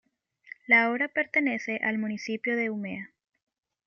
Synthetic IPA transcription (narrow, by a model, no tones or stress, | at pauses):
laoɾape̞ɾt̪ene̞se̞ʔalmũnisipjoðe̞umea